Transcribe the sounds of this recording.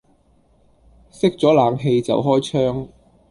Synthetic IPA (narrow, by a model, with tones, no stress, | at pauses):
sɪ˥k̚t͡sɔː˨˥laː˨˧ŋɦe˧jt͡sɐ̰˨wɦɔː˥jt͡ʃʰœː˥ŋ